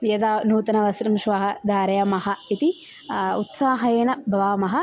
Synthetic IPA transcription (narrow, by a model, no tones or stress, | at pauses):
jɐd̪aːnuːt̪ɐnɐʋɐsɾɐmʃʋɐɦɐd̪ʱaːɾɐjɐmɐɦɐit̪i | ut̪saːɦɐjeːnɐbʱɐʋaːmɐɦɐ